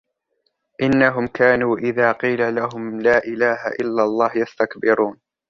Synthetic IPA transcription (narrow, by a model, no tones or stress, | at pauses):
ʔɪnːaɦʊmkaːnuːʔɪðaːqiːlalaɦʊmlaːʔɪlaːha̰ʔɪlːalˤːɑːhjast̪akbɪɾuːn